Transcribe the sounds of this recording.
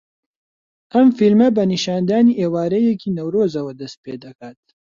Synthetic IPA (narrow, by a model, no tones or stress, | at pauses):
ʔɐmfilmɐbɐniʃaːnd̪aːniːʔeːwaːɾɐjɛkiːnɐwɾoːzɐwɐd̪ɐst̪̚peːd̪ɐkaːt̪̚